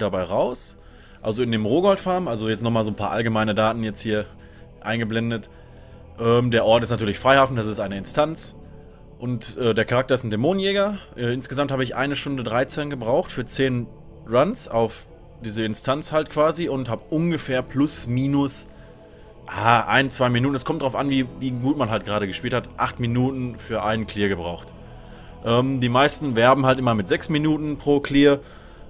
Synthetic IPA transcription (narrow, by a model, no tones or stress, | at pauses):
d̥abaɪʁaʊs | ʔa̰lzoɪndeːmʁoːɡɔltfaɐmʔalzojɛt͡stnɔχmaːlzoːnpʰa̰ːɐʔa̰lɡəmaɪnədaːtn̩jɛt͡sthiːɐ | ʔaɪnɡəblɛndət | ʔɛːmdeːɐʔɔɐtɪstnatʰyːɐlɪçfʁ̥aɪhaːfn̩das̬ɪstʔaɪnəɪnstʰant͡s | ʔʊntʔɛːdeːɐkʰaʁaktɐɪstn̩demoːnənjɛːɡɐʔɛːɪnsɡ̥əzamthaːbəɪçʔa̰ɪnəʃtʊndədʁaɪt͡sɛnɡəbʁaʊxtfyːɐt͡seːn | ʁansaʊf | d̥iːzəɪnstʰant͡shaltkv̥aːziʊnthaːbəʔʊnɡəfɛːɐpʰlʊsmiːnʊs | ʔaːʔa̰ɪnt͡sv̥aɪminuːtn̩ɛskʰɔmtd̥ʁaʊfʔanviːviːɡuːtmanɦaltɡ̥ʁaːɾəɡəʃpiːlthatʔaχtminuːtn̩fyːɐʔaɪnnkl̥iːɐɡəbʁaʊxt | ʔɛːmdiːmaɪstn̩vɛɐbm̩haltʔɪmɐmɪtz̥ɛksminuːtn̩pʁ̥oːkl̥iːɐ